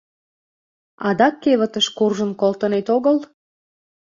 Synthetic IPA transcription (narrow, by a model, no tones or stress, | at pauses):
ɑ̰d̪ɑkːeβə̆t̪əʃkurʒənkolt̪ənet̪oɣəl